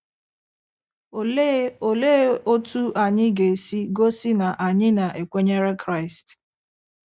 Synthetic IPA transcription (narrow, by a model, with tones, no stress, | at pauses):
o˨le˦o˦tu˦ʔa˨ɲɪ˦ɡe˨si˦ɡo˦sɪ˦na˨ʔa˨ɲɪ˦na˨ʔe˨kʷe˦ɲe˦ɾe˦kɾa˦˨ɪ˨st